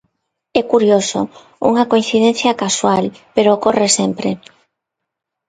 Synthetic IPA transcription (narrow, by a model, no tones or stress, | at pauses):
ɛkuɾjoso̰ | ṵŋɐkoin̟θiðɛn̟θjakaswalpeɾokɔresɛmpɾe